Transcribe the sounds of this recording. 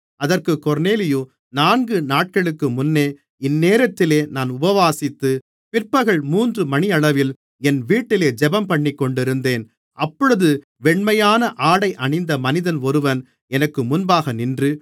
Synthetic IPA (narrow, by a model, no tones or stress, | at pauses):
ʔɐðɐrkɯkɔɾneːlɪjo | naːnɡɯnaːʈ̚kɐɭɯkːɯmʊnːeː | ɪnːeːɾɐt̪ːɪleːnaːnʊbɐʋaːsɪt̪ːɯ | pɪrpɐɣɐɭmuːndrɯmɐnɪɐɭɐʋɪl | ɛnʋiːʈːɪleːd͡ʒɛbɐmpɐɳːɪkːɔɳɖɪɾɯnd̪eːn | ʔɐpːɔɻɯðɯ | ʋɛɳmɐjaːnɐʔaːɽɐɪʔɐnɪnd̪ɐmɐnɪðɐnɔɾɯʋɐn | ɛnɐkːɯmʊnbaːɣɐnɪndrɯ